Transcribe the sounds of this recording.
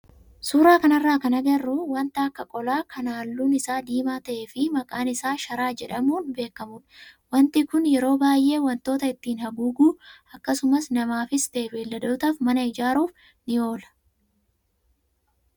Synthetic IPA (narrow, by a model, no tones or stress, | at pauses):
suːɾaːkɐnɐrːaːkɐnɐɡɐrːʊwɐnt̪ɐɐkːɐkʼɔlaːkʰɐnaːlːuːnɪsaːd̪iːmaːt̪ɐʔe̞ːfɪmɐkʼaːnɪsaːʃɐɾaːd͡ʒɛᶑɐmuːnbe̞ːkːɐmʊnwɐnt̪ɪkʊnjɛɾo̞ːbaːjʔe̞ːwɐnt̪o̞ːt̪ɐɪt̪ːiːnhɐɡuɡuːɐkːɐsʊmɐsnɐmaːfɪst̪eːfeːlːɐd̪o̞ːt̪aːfmɐnɐɪd͡ʒaːɾuːf | nɪo̞ːlɐ̥